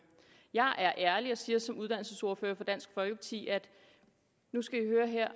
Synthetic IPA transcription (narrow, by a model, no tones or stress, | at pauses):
jɑ̈ɪʔæɐʔæɐliɒ̽siːɐsɒ̽muð̞ˠd̥æn̰l̩səso̝ɐføːɐfɒ̽d̥æn̰sɡ̥fɒ̽lɡ̥əpʰɑ̈t͡sʰḭːæd̥ | nusɡ̥æihøːɐɦeɐ̰